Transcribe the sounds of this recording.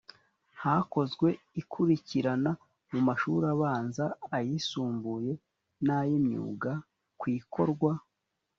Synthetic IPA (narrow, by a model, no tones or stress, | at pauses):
hako̞zɡwe̞ | ikʰuɾiciɾana | mumaʃuɾaβaːnzaːjisuːmbuje̞ | najimɲṵːɡa | kwiːko̞ɾɡwa